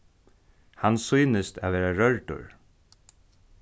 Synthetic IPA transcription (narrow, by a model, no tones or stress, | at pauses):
hansujnəst̪a̰ʋeːɾaɾœɹʈʊ̰ɹ